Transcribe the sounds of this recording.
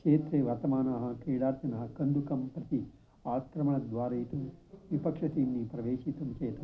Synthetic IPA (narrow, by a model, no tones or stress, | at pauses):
kʂeːt̪ɾeːʋɐɾt̪ɐmaːnaɦɐkiːɽaːɾt̪ɐnɐɦɐkɐnd̪ukɐmpɾɐt̪i | aːkɾɐmɐɳɐd̪ʋaːɾɐjt̪uʋipɐkʂɐt̪inːipɾɐʋeːʃit̪umt͡ʃeːt̪ɐ